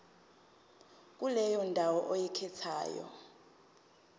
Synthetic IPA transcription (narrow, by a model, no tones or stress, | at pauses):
k̬ʼulɛjɔndʱawɔʔojikʰɛt͡sʰa̰ːjɔ̰